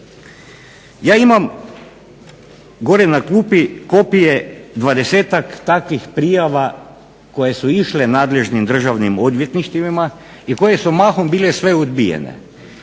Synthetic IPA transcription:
jaːimam | ɡo̞ɾenakluːpiko̞pijed̪ʋad̪e̞seːt̪akt̪akʋixpɾijaʋa | ko̞je̞suiʃle̞naːd̪le̞ʒnimd̪r̩ʒaʋnimo̞d̪ʋje̞t̪niʃt̪iʋima | iko̞je̞sumaːxombiːle̞sʋe̞od̪bijḛnḛ

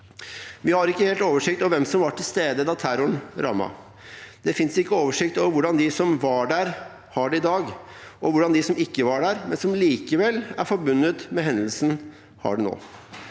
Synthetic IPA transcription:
ʋɪhɑɾɪkːəheːlt̪oːʋəʂɪkt̪ɔʋɛmsɔmʋɑʈʰɪlst̪eːd̪əd̪ɑt̪ʰæɾʊɳɾʔɑ̰mːɑ̰ | d̪̥ɛfɪnsɪkːəoːʋəʂɪkt̪ɔʋʊɖɑnd̪ɪsɔmʋɑɖæɾ | hɑɖɛɪd̪ɑːɡʔɔʋʊɖɑnd̪ɪsɔmɪkːəʋɑɖæːɾmɛnsɔmliːkəʋɛlːæ̰ɾfɔɾbʉnːət̪mɛɦɛnəlsn̩ | hɑ̰ɖɛno̰ː

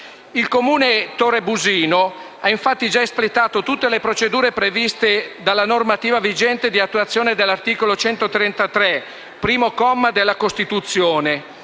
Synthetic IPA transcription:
ilkomuːnet̪oɾebuziːno | aiɱfat̪ːid͡ʒaesplet̪ːaːt̪ot̪ut̪ːelepɾot͡ʃed̪uːɾepɾevist̪ed̪alːanormat̪iːvavid͡ʒɛnt̪ed̪iat̪ːuwat̪sːjoːned̪elːart̪iːkolot͡ʃɛnt̪ot̪ɾɛnt̪at̪ɾɛ | pɾiːmokɔmːad̪elːakost̪it̪ut̪sːjoːne

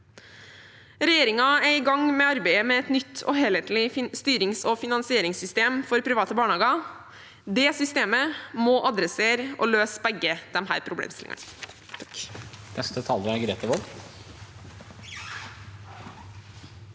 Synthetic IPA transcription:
ɾɛjeːɾɪŋɑæɪɡɑŋmɛɑɾbæɪəmɛɛt̪nʏt̪ʰːɔ̰ɦeːlɛt̪l̩ɪst̪yːɾɪŋsɔfɪnɑnsɪeːɾɪŋsʏst̪eːmfɔɾpʰɾɪʋɑːt̪əbɑːɳɑːɡɑ | d̪ɛːsʏst̪eːməmɔʔɑd̪ɾəseːɾɔ̰løːsbɛɡːəd̪̥ɛmhæ̰ːɾpʰɾʊblḛːmst̪ɪlɪ̰ŋʔɑ̰n | nɛst̪ət̪ʰɑːləɾæɡɾeːt̪əʋɔl

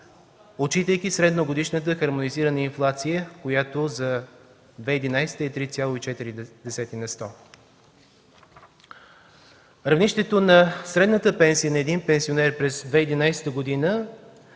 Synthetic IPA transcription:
ot͡ʃit̪əjk̟isɾɛd̪noɡod̪iʃnət̪əxɐɾmoniziɾənəinflˠat̪sijəkojat̪ozɐ | d̪vɛid̪inajsɛ̥t̪əit̪ɾit̪sʲjalˠoit͡ʃɛt̪iɾid̪ɛsɛt̪inɐst̪ɔ | ɾɐvniʃt̪ɛt̪onɐsɾɛd̪nət̪əpɛnsijənɐɛd̪inpɛnsionɛɾpɾɛzd̪vɛid̪inajsɛ̥t̪əɡod̪inə

